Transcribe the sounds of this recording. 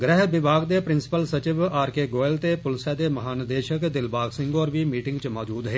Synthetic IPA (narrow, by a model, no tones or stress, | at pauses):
ɡɾɛɦbɪbaːɡd̪eːpɾɪnsɪ̥pəlsət͡ʃɪʋaːɾkeːɡoːɪlt̪eːpʊlsɛːd̪eːməɦaːnəd̪eːʃəkd̪ɪlbaːɡsɪ̃ŋɡoːɾʋiːmiːʈɪ̃ŋɡt͡ʃmɔːd͡ʒuːd̪ɦeː